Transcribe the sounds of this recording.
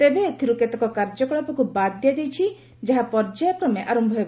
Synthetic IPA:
t̪ebet̪ʰiɾuket̪ekɔkaɾd͡ʒɔkɔɭɔpɔkubad̪jad̪ejt͡ʃʰi | d͡ʒaɦapɔɾd͡ʒajɔkɾɔmeʔaɾɔmbʱɔeb

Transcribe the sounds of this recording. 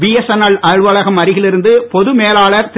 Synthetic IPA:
ʋijɛsɐnɐɭɐɻʋɐɭɐɣɐmɐɾɪɣɪlɪɾɯnd̪ɯpɔðɯmeːlaːɭɐɾt̪

